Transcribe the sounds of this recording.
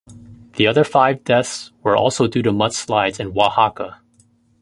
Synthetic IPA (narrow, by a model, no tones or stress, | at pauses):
ðiʌðə˞faɪvdɛθswə˞ʔɔ̰lˠsoʊdʉɾɨmʌtslaɪdz̥ɨ̃nwɑhɑkə